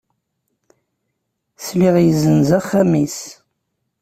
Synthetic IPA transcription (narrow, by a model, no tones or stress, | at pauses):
sliʁjəzənzæχːæmis